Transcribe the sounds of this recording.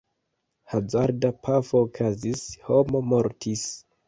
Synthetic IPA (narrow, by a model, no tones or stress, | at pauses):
hazaɾdapʰafoːkʰazisho̞mo̞moɾtʰis